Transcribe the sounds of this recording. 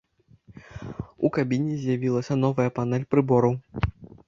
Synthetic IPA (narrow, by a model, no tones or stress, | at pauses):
ukabʲinʲːizʲjavʲilˠɐsʲɐn̪ɔvɐjɐpanɛlʲpɾɨbɔɾɐw